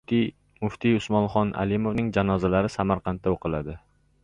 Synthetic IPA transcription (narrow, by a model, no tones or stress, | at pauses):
mʊft̪ʰɪjʊsmɒnχɒnʔa̰lɪmovnɪŋd͡ʒanɒzalaɾɪsamaɾqʰɑnt̪ʰːaoqʰɨlˠad̪ɪ